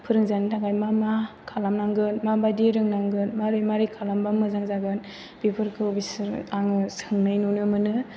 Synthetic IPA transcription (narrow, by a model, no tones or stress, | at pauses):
pʰɯɾɯŋzanitʰaɡajmamakʰalamnaŋɡɯnmabadiɾɯŋnaŋɡɯnmaɾɯjmaɾikʰalambamɯzaŋzaɡɯn | b̥ipʰɯɾkʰɯbisɯɾaŋɯsɯŋnajnunɯmɯnɯ